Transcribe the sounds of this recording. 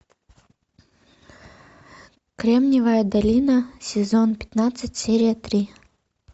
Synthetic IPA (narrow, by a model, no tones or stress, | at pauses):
kɾʲemnʲɪvəjəd̪ɐlʲinəsʲɪzonpʲɪ̥t̪nat̪sɨtʲsʲeɾʲijət̪ɾʲi